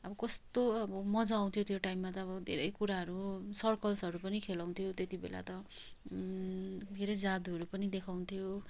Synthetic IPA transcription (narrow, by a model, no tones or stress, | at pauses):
ʌbʌkʌst̪oʌbʌmʌd͡zaw̃t̪ʰijot̪ʰjoʈaimːat̪ʌːbʌd̪ʱḛɾʌjkuɾaɦʌɾusʌrkʌlsʌɾupʌnikʰelaw̃nt̪ʰjot̪et̪ibḛla̰t̪ʌ | d̪ʱeɾʌjd͡zad̪uɦʌɾupʌnid̪ekʰaw̃t̪ʰjo